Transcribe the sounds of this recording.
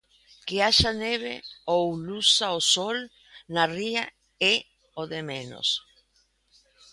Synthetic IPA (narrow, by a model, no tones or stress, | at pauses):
keaʃaneβḛowlusaosol | naria | e | oðemẽno̰s